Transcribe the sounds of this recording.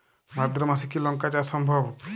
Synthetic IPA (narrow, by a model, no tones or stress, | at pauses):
mad̪ɾɔmasikilɔŋkat͡ʃasɔmbʱɔb